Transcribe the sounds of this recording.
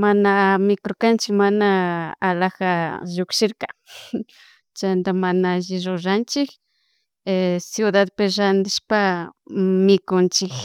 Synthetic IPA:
manamɪkoɾkant͡ʃɪkmanaːlakaʒʊkʃɪɾkḁ | t͡ʃand̪amanaaʒɪɾoʐant͡ʃɪkː | sjʊðaðpɪɾand̪ɪʃpa | mɪkʊnt͡ʃɪk

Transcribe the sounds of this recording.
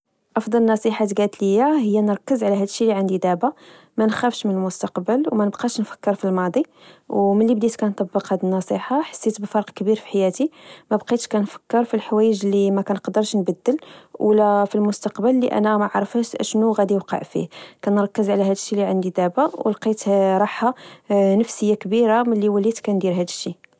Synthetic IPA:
ʔɑfd̪ˤɑlənːɑsˤiħat̪ɡæt̪ləjːahəjːænəɾˤɑkːəzʕlæɦæd̪əʃːiliʕənd̪id̪æba | mænxæfʃmənəlmʊst̪ɑqbəlwmænəbqɑʃnfə̥kːəɾfilmɑd̪ˤi | wməlːibd̪it̪kænt̪ˤɑbːəqhæd̪ənːɑsˤiħaħḁsːit̪bəfɑɾqkbiɾfi̥ħajæt̪imæbqit̪ʃkænfə̥kːəɾˤfilħwæjəʒlːimækænqɑd̪əɾˤʃnbæd̪ːəlwlæfilmʊst̪ɑqbəlːiʔæ̰næmaʕɾˤəfæʃʔʃnuɣæd̪iwqɑ̰ʕfḭhkænɾˤɑkːəzʕlæɦæd̪əʃːiliʕənd̪id̪æbawəlqit̪ɾˤɑħhanəfsəjːakbiɾaməlːiwəlit̪kænd̪iɾɦæd̪əʃːi

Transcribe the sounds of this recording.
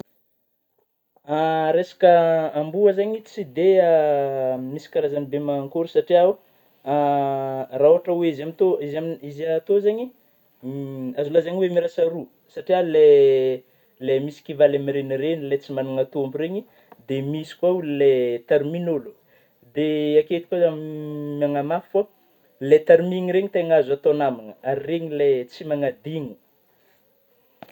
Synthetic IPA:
aɾesḁkəambuazaɲit͡sid̪ea | misi̥kaɾazanibemaŋkuɾusaʈ͡ʂiau | raoaʈ͡ʂəweizamit̪oizamizat̪ozaɲi | azulazaɲiwemiɾasaɾu | saʈ͡ʂiale | lemisi̥kivalemiɾeniɾenilet͡simanaŋat̪uambuɾeɲi | d̪emisi̥kwaullet̪eɾminolu | d̪eaket̪i̥kazammaŋamaffo | let̪eɾmiŋiɾeɲit̪eŋazat̪onamanəaɾireɲilet͡simaŋad̪iŋi̥

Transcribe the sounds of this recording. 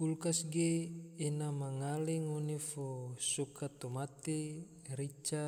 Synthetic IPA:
kulkasɡeːnamaŋaleŋonefosokat̪omat̪e | ɾit͡ʃa

